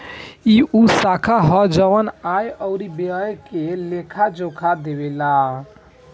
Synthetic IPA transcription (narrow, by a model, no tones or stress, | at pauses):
iʔusakʰaɦɔd͡ʒəwənajəʊɾibeəjkelekʰad͡ʒokʰad̪ebela